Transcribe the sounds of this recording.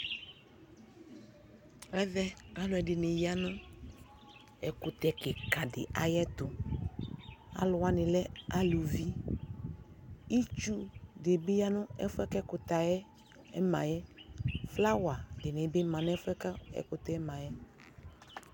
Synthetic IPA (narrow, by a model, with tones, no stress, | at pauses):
ɛ˦ðɛ˦a˦lʊ˨ɛ˨ɖɪ˨nẽ˨ja˦nã˦ | ɛ˨kʊ˨t̪ɛ˨ke˨ka˨dɪ̰˨ʔa˨jɛ˦t̪ʊ˨ | a̰˨˦lʊ˨wa˦nɪ̃˨lɛ˦a˦lu˨vi˦ | i˦t͡ʃu˦de˨be˦ja˦nʊ̃˦ɛ̰˦fʊ˦ɛ˦kɛ˦kʊ˨t̪a˨jɛ˦ | ɛ̰˦mã̰˨jɛ˦fla˦wa˨dɪ˨nẽ˨be˦mã˨ñ˦ɛ˦fɛ˦ka˦ɛ̰˨kʊ˨t̪ɛ˦ɛ˦mã˨jɛ˦